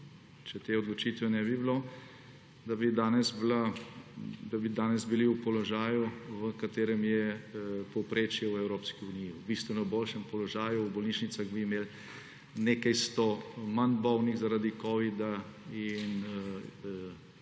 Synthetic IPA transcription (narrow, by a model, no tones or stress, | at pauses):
t͡ʃɛt̪eːɔd̪lɔt͡ʃiːt̪ʋɛnɛbiblo | d̪abid̪aːnɛsbla | d̪abid̪aːnɛzbiliupɔlɔʒaːjuʋəkat̪eːɾɛmjɛpɔwpɾeːt͡ʃjɛwɛwɾoːpskiunijiwbist̪ʋɛnɔboːlʃɛmpɔlɔʒaːjubɔlniːʃnit̪saɣbimeːl | nekajst̪omanbɔwniɣzaɾad̪ikɔːʋid̪ain